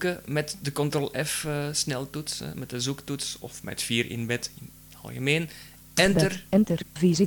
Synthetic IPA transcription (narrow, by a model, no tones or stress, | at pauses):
kəmɛtdəkɔntrɔlʔɛfəsnɛlˠtutsɛ̰mɛt̚dəzuktutsɔ̰fmɛ̰tfiːɾɪ̰nbɛtɪn | ɑ̰lˠɣəmeːn | ɛntərɛntərvizi